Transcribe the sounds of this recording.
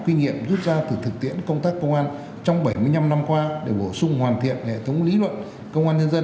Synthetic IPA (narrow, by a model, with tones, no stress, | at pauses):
kwi˧ŋḭ˧˨əmzu˦˥t̚zaː˧t̪ɨ˨˩t̪ɨ˨˩k̚t̪ʰḭ˧˥ənkə˧wŋ͡mt̪aː˦˥kːə˧wŋ͡mʔaː˧n | t͡ɕɔ˧wŋ͡mɓə˧˩jmɨ˧əjɲa˧mna˧mkwaː˧ɗe˧˩ɓo˧˩sʊ˧ŋ͡mhwaː˨˩nt̪ʰḭ˧˨ənhḛ˧˨t̪ʰə˨˦wŋ͡mli˨˦lwə̰˧˨n | kə˧wʔaː˧nɲə˧nzə˧